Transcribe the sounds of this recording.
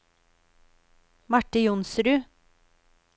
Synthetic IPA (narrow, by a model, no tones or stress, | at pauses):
mɑʈəjʊnsɾʉː